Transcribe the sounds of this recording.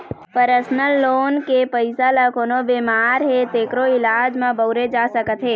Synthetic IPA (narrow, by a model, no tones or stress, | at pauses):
pəɾəsnəlːoːnkepəɪsalakoːnobemaːɾɦet̪eːkɾoɪlaːd͡ʒmãbəʊɾed͡ʒaːsəkət̪ɦeː